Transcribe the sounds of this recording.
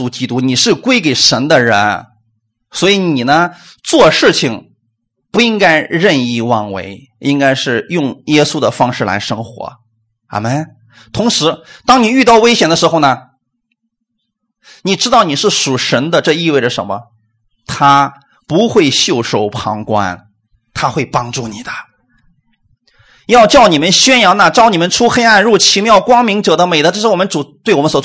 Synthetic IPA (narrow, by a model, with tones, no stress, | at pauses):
u˧˥˩t͡ɕi˥t̪u˥ni˨˩ʂɻ̩˥˩kwe˥ɪke˨˩ɪʂə˧˥nd̪ə˧ɻə˧˥n | swɔ˧˥i˧ni˨˩nə˦ | t͡swɔ˥˧ʂɻ̩˥˩t͡ɕʰi˨˩ŋ | pu˧˥i˥ŋka˥ɪɻə˥˧ni˥˧wɑ˥˩ŋwḛ˧˥ɪ | i˥ŋka˥ɪʂɻ̩˥˧jʊ˥˩˧ŋjɛ˥su˥d̪ə˨fɑ˥ŋʂɻ̩˥˩la̰˧˥ɪʂɤ˥ŋxwɔ̰˧˥ | a̰˧˩mə˥˩n | t̪ʰʊ˧˥ŋʂɻ̩˧˥t̪ɑ˥ŋni˨˩y˥˧t̪ɑ˥˩ʊwe˥ɪɕjɛ˨˩nd̪ə˦ʂɻ̩˧˥xo˥˧ʊnə˩ | ni˨˩ʈ͡ʂɻ̩˥t̪ɑ˥˩ʊni˨˩ʂɻ̩˥˩ʂu˨˩ʂə˧˥nd̪ə˧ʈ͡ʂɤ˥˧i˥˧we˥˩ɪʈ͡ʂə˩ʂə˧˥nmə̰˧ | t̪ʰa˥ | pu˧˥xwe˥˧ɪɕjo˥˩ʊʂo˥˩ʊpʰɑ̰˧˥ŋkwa̰˥n | t̪ʰa˥xwe˥˩ɪpɑ˥ŋʈ͡ʂu˥˩ni˨˩d̪ə̥˦ | jɑ˥˧ʊt͡ɕjɑ˥˩ʊni˨˩mə˦nɕɥɛ˥njɑ˧˥ŋna˨˩ʈ͡ʂɑ˥ʊni˨˩mə˧˦nʈ͡ʂʰu˥xe˥ɪa˥˧nɻu˥˩t͡ɕʰi˧˥mjɑ˥˩ʊkwɑ˥ŋmi˧˥ŋʈ͡ʂɤ˨˩d̪ə˦me˨˩ɪd̪ə˦ʈ͡ʂɤ˥˧ʂɻ̩˥˩wɔ˨˩mə˦nt͡su˨˩t̪we˥˩ɪwɔ˨˩ə˦nswɔ˨˩